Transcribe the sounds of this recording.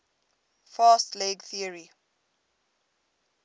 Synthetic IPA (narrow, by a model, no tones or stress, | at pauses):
faːstleɡθiəɹi